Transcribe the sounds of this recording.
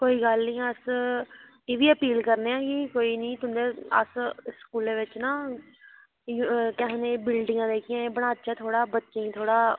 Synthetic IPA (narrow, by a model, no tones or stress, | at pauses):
koːiːɡəlnĩːəs | eːʋiːəpiːlkəɾneːãːkikoːiːnĩːt̪ʊnd̪eːəsskuːleːʋɪt͡ʃnãː | jkɛːɦneːbɪlɖɪŋɡãːd̪eːkʰɪjãːbəɽ̃aːt͡ʃaːt̪ʰoːɽaːbətːʃɪ̃ŋɡt̪ʰoːɽaː